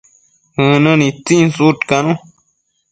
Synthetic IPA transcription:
hɨ̃nɨ̃nĩt͡sĩnsutkanũ

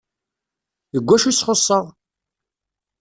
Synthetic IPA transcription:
jəɡʷːæʃisχosˤːəʁ

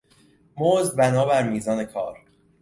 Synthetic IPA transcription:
moːzbænɒːbæɾmiːzɒːne̞kʰɒːɾ

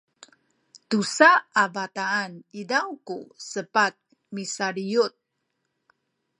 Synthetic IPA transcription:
tusaavataːnidawkusəpat̪̚ | misaɾiut̪̚

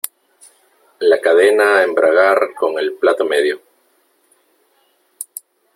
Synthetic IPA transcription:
lakaðenaːembɾʔaɣaɾko̞ŋe̞lplat̪omeðjo

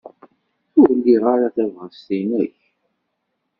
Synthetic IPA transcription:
θʊɾlːiʁaɾaθævʁəst̪inəç

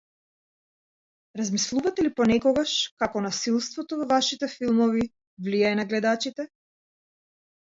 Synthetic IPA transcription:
ɾazmislˠuvat̪ɛlipɔnɛkɔɡaʃkakɔnasilˠst̪vɔt̪ɔvɔvaʃit̪ɛfilˠmɔvi | vlijajnaɡlɛd̪at͡ʃit̪ɛ

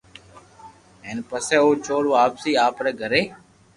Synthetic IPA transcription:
ɦeːnpəsɛːoːt͡ʃoːɽʋaːpsiːaːpɾɛːɡʱəɾeː

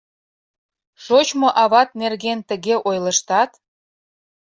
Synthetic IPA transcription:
ʃot͡ɕmoʔɑβɑt̪̚nerɣent̪ə̆ɣeʔojlə̆ʃt̪ɑt̪

